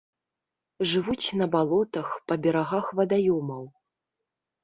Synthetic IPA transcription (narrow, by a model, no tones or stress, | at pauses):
ʐɨvut͡sʲnɐbalˠɔt̪ɐxpɐbʲɛɾaɣaxvɐd̪ajɔmɐw